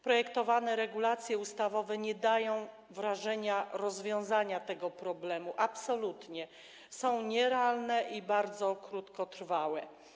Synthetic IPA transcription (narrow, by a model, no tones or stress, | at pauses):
pɾɔjɛkt̪ɔvanɛɾɛɡulat̪sʲjɛust̪avɔvɛɲɛd̪ajɔ̃w̃ | vɾaʐɛɲaɾɔzvʲjɔ̃w̃zaɲat̪ɛɡɔpɾɔblɛmuʔapsɔlut̪ɲɛ | sɔ̃w̃ɲɛɾɛalnɛʔibaɾd̪zɔkɾut̪kɔt̪ɾ̥fawɛ